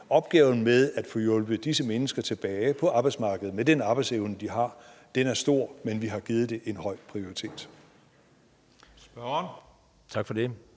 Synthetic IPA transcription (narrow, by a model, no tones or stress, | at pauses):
ɒ̽b̥̚ɡ̥ɛːʊn̩meðˠæd̥fɔ̽ːjɔ̽lb̥əd̥isəmenəsɡ̥ɐt͡sʰe̝b̥ɛːɪpʰɒ̽ʔɑ̈ːb̥ɑ̈ɪd̥smɑ̈ːɡ̥əð̩ˠmed̥enɑ̈ːb̥ɑɪd̥seʊnəd̥iɦɑ̈d̥enæɐsd̥o̝ɐ̰menʋiɦɑ̈ɡ̥ið̩ˠd̥e̝ʔe̝nɦɒ̽ɪ̰pʰʁio̝ʁit͡sʰe̝̰ːd̥ | sb̥ɶn | t͡sʰɑ̈ɡ̥fɒde